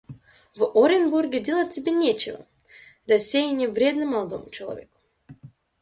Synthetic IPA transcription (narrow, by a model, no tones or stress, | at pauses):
voɾʲɪnburɡʲɪdʲelˠət̚ʲtʲɪbʲenʲet͡ɕɪvə̰ | rɐsʲːejɪnʲɪvɾʲed̪nɨmːɐlˠɐd̪o̰mʊt͡ɕɪlˠɐ̰vʲḛkʊ̥